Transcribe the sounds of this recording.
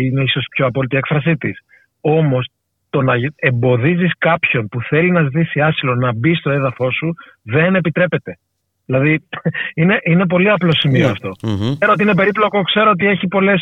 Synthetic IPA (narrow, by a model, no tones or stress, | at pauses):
ineiso̞st̪i̥pço̞ɐpo̞lit̪iekfɾɐs̬it̪is | o̞mo̞s | t̪o̞nɐe̞mbo̞ðiziskɐpço̞npuθe̞linɐzit̪isiɐsilo̞nɐbist̪o̞e̞ðɐfo̞su | ðe̞ne̞pit̪ɾe̞pe̞t̪e̞ | ðilɐðiine̞ʔine̞p̬o̞liɐplo̞simioɐ̰ft̪o̞seɾoot̪̬iine̞pe̞ɾiplo̞ko̞kse̞ɾo̞ot̪̬ie̞çipo̞le̞s